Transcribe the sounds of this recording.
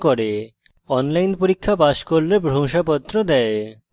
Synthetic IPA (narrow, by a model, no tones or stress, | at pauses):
koɾe | ɔnlajnpoɾikʰːapaʃkoɾlebʱɾomʃapɔt̪ːɾod̪ɛe